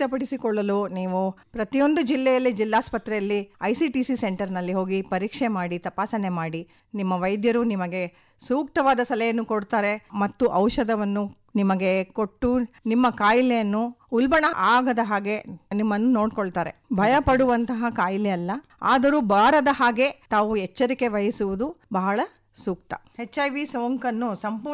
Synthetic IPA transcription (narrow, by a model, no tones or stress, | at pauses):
ɐpɐɽisikɔɭːɐluniːʋu | pɾɐt̪ijo̞nd̪ud͡ʒilːɛjɐlːid͡ʒilːaːspɐt̪ɾɛjɐlːiɐjsiʈiːsiseɳʈɐɾnɐlːiɦo̞ːɡipɐɾiːkʂemaːɽit̪ɐpaːsɐne̞maːɽi | nimːɐʋɐjd̪jɐɾunimɐɡe̞ | suːk̚t̪ɐʋaːd̪ɐsɐlɛjɐnːukoɽt̪aːɾe̞mɐt̪ːuʔɐwʃɐd̪ɐʋɐnːu | nimɐɡe̞ko̞ʈːunimːɐkaːjlejɐnːuulbɐɳɐʔaːɡɐd̪ɐɦaːɡe̞nimːɐnːuno̞ːɽkoɭt̪aːɾe̞̰bʱɐjɐpɐɽuʋɐnt̪ɐɦɐkaːjleɐlːɐ | a̰ːd̪ɐɾubaːɾɐd̪ɐɦaːɡe̞t̪aːʋuɛt͡ʃːɐɾike̞ʋɐjɐsuʋud̪ubɐɦɐɭɐ | suːk̚t̪ɐ̥̰het͡ʃːɐjʋisoːŋkɐnːusɐmpu